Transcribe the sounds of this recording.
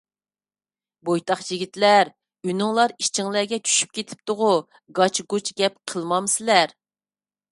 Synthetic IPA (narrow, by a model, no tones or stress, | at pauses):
bojt̪ʰɑχjiɡʲit̪læɾ | ynuŋlˠɑɾiʃt͡ʃʰɪŋlæɾɡʲɛt͡ʃʰy̥ʃy̥p̚kʲʰet̪ʰɪ̥p̚t̪ʊʁʊ | ɡɑt͡ʃɡut͡ʃɡʲɛp̚qʰəlˠmɑmsɪlæɾ